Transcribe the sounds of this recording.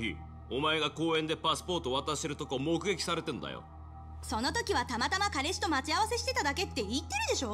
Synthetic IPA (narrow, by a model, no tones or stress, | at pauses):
ḭ | omae̞ɡako̞ːẽ̞nd̪e̞pasɨ̥po̞ːt̪o̞ːβat̪aɕseɾɯ̟t̪o̞komo̞kɯ̟ɡe̞kʲi̥saɾe̞t̪e̞nod̪a̰jo̰ | so̞no̞t̪o̞kʲiβat̪amat̪amakaɾe̞ɕi̥t̪o̞mat͡ɕiaβase̞ɕi̥t̪e̞t̪ad̪ake̞t̪ːe̞it̪ːe̞ɾɯ̟d̪e̞ɕo̞ː